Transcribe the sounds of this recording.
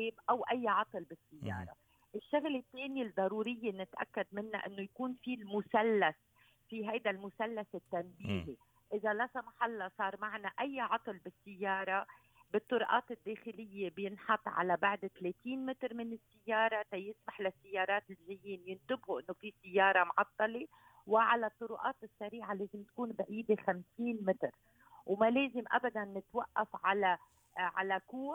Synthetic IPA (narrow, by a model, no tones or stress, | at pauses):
eːbʔawʔajːʕɑt̪ˤɨlbɪsːɪjːɑ̰ːɾˤɑ̰ | ʔɪʃːaɣlɪt̪ːeːnid̪ˤːɑɾˤuːɾɪjːenɪt̪ʔa̰kːad̪mɪnːa̰ʔɪnːojakuːnfilmʊsalːas | fiɦajd̪almʊsalːasɪt̪ːanbiːɣi | ʔɪzalasamaħalːɑsˤɑːɾˤmaʕnaʔajːʕɑt̪ˤɨlbɪsːɪjːɑːɾˤɑ | bɪt̪ˤːʊɾʔɑːt̪ɪd̪ːeːxɪlɪjːebjɪnħɑt̪ˤːʕa̰labaʕd̪t̪leːt̪iːnmɪt̪ɾmɪnɪsːɪjːɑːɾˤɑt̪ajɪsmaħlasːɪjːɑːɾˤɑːt̪ɪlʒɪjːiːnjɪnt̪ɪbhuʔɪnːofisɪjːɑːɾˤɑmʕɑt̪ˤːɑle | wɪʕalat̪ˤːʊɾʊʔɑːt̪ɪsːaɾiːʕaleːzɪmt̪kuːnbaʕiːd̪examsiːnmɪt̪ɾ | wmaleːzɪmʔa̰bad̪anːɪt̪waʔːafʕala | ʕa̰lakuː